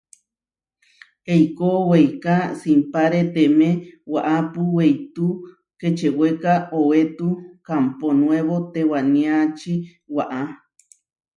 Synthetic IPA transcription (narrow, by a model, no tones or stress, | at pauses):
ejkowejkasimpaɾet̪emẽwaʔapuwejt̪u | ket͡ʃewekaowet̪ukamponw̃eβot̪ewanĩat͡ʃi | waʔa